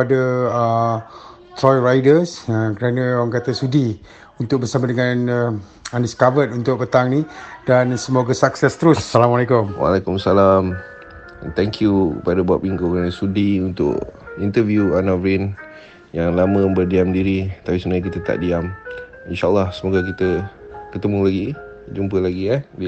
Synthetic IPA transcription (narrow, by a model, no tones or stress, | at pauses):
adəə | t̪ɾɔjrajdəsəkəɾanə̃waŋkat̪əsudi | unt̪ʊk̚bərsamadəŋan | aniskavət̪unt̪ʊk̚pət̪aŋnidansəmoɡasaksɛst̪əɾʊssalamalekʊmwa̰lɛkʊmsalam | ɛnt̪ɛŋkʰjukəpadabaa̰ʔ̚iŋkokanasudiunt̪ʊ̰ʔkint̪əvjuanavɾin | jaŋlamə̃bərdiamdiɾit̪apisumnaɲak̬it̪ət̪a̰ʔdiam | inʃaʔəlːɑhsəmoɡak̬it̪əkət̪əmulaɡi | d͡ʒumpəlaɡiadi